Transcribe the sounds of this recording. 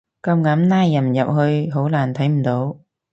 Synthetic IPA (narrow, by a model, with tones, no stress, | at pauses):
ka˧wŋa˨˦mnaː˧jːa˨˩mza̰˨wɦəː˧jɦo˨˦wlaː˨˩nt̪ʰə˨˦jm˨˩ɗo˨˦